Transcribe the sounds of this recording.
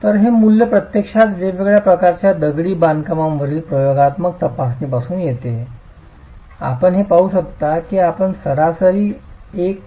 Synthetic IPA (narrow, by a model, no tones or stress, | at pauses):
t̪əɾɦemuljəpɾət̪jekʂat̪d͡ʑeʋeɡɭjapɾəkaɾt͡ɕjad̪əɡɽiːband̪kamãmʋəɾiːlpɾəjoɡat̪məkt̪əpasmiːpasuːnjet̪e | a̰pəɳɦepaɦuːɕək̚t̪akiːapəɳsəɾasəɾiːek̚